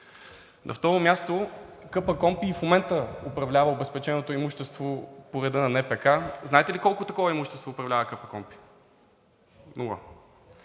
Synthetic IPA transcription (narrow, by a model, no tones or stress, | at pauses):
nʔɐ̰ft̪ɔɾomjast̪okɤpəkɔmpiːfmomɛnt̪əopɾɐvlʲavəobɛspɛt͡ʃɛnot̪oimuʃt̪ɛst̪vopoɾɛd̪ɤnɐnɛpɛkaznaɛt̪ɛlikɔlˠkʊt̪ɐkɔvɐimuʃt̪ɛst̪voːpɾɐvlʲavəkɤpəkɔmpi̥ | nuɡa̰